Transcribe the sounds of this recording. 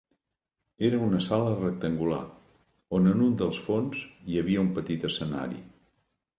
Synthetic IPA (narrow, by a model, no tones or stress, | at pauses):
eɾəunəsalərək̚t̪əŋɡula̰ | onənund̪əlˠsfonzjəβiəumpət̪it̪əsəna̰ɾḭ